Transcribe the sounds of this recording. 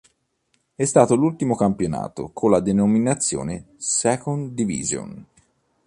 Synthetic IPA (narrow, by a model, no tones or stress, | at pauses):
ɛst̪aːt̪olult̪imokampjona̰ːt̪o̰kʰolːad̪enominat̪sːjo̰ːne | sɛkond̪ivḭzjo̰n